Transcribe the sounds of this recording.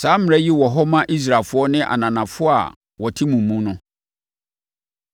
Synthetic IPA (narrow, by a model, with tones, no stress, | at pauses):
saː˨˦m̩˦˨ɛ˦ji˦wɔ˨ɦɔ˦mã˦ʔi˦s̬ɾaː˨fʊ˦ɔ˦nɪ̃˦ʔa̰˨nã˨nã˨fʊ˦a̰˨ | wɔ˨tʰi˦mũ˨mːũ˦nʊ̃˦